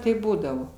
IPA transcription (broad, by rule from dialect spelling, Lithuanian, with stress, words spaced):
ˈtɐɪp ˈbuːdɐʋoː